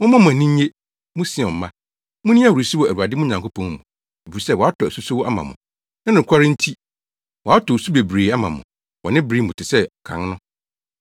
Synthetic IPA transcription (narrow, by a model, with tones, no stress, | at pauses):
mʊ̃˦mã˦m˨ã˨nĩ˦ɲ˦ɲe˦ | mʊ̃˦sɪ̃˦˨ɔ̃˨m̩˨˦mã˦ | mʊ̃˦nĩ˦a˦˨wɾu˨si˦wɔ˨æ˨ɾu˨a˨dɪ˦m˦ʊ̃˦ɲã˨ŋkʰo˦pʰɔ̃˨ŋmṵ̃˨ | e˨bi˨i˨sɛ˦wɔ˨a˦tʰɔ˨æ˨su˦sʊ˦wɔ˦ʔa˦mã̰˨mʊ̰̃˨ | nã˦nɪ̃˨kʷʰa˦ɾɪ˦n̩˦tʰi˦ | wɔ˨a˦tʰɔ˨su˦be˨bɾeː˨a˦mã˨mʊ̰̃˨ | wɔ˨nɪ̃˦bɾiː˦mʊ̃˨tʰɪ˨sɛ˦˨kʰã̰˨ŋnʊ̃˦